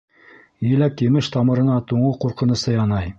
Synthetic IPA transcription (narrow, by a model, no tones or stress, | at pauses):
jɘ̆lækjɘ̆mɘʃt̪ɑmɤ̆ɾɤ̆nɑt̪uɴɤquɾqɤ̆nɤ̆sɤjɑnɑj